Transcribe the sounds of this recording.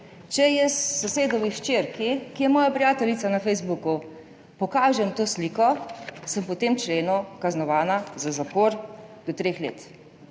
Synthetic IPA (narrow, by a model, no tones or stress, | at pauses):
t͡ʃɛjɛssɔseːd̪ɔʋiʃt͡ʃeːɾkikijɛmɔːjapɾijaːt̪ɛlit̪sanafɛjzbuku | pɔkaːʒɛmt̪oːsliːkɔsəmpɔt̪emt͡ʃleːnukaznɔʋaːnazazapɔːɾd̪̥ɔt̪ɾeːxlḛːt̪